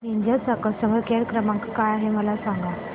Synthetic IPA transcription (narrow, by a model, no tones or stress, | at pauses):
niɲd͡ʑat͡səkəsəʋəɾkeɾkɾəmãŋkkajaɦeməlasãŋɡa